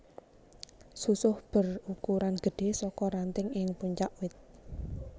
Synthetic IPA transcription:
susʊhb̥ə̤rukuɾanɡ̥ə̤ɖ̥e̤sɔkɔɾant̪ɪŋɪŋpuɲt͡ʃaʔwɪt̪̚

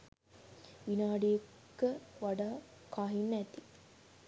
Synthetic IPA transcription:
ʋinaːɖiekkːəʋaɖaː | kaːɦinːæt̪i

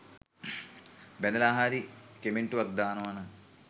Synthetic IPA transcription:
bɛnɐlaːɦaːɾikemiɳʈuʋɐk̚d̪aːnɐʋɐnɐ

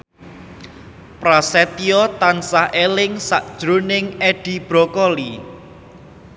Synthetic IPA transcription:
pɾasɛt̪iɔt̪ansahʔelɪŋsaʔd̥ʒ̥ɾunɪŋɛɖ̥i̤b̥ɾɔkɔli

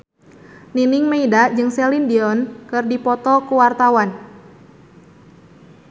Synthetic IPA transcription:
ninɪŋmeidad͡ʒɨŋsɛlindiɔnkɨrdipɔt̪ɔkuwart̪awan

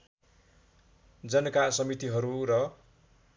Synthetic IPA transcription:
d͡zʌnʌkasʌmit̪iɦʌɾuɾʌ

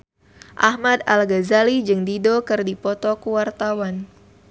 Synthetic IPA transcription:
ʔahmad̪alɡazalid͡ʒɨŋdidokɨrdipɔt̪ɔkuwart̪awan

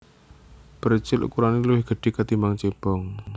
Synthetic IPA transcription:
b̥əɾt͡ʃɪlṵkuɾaniluwɪhɡ̥ə̤ɖ̥e̤kat̪imaŋt͡ʃeb̥ɔŋ

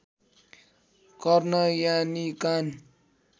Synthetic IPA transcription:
kʌrnʌjanikan

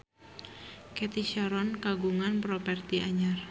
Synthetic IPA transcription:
kɛt̪iʃaɾɔnkaɡuŋanpɾɔpɛrt̪iʔaɲar

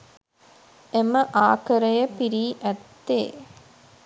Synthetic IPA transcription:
eməʔaːkəɾəjəpiɾiːʔæt̪ːeː

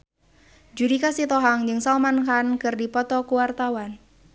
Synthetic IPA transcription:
d͡ʒuɾikasit̪ɔɦaŋd͡ʒɨŋsalmankankɨrdipɔt̪ɔkuwart̪awan

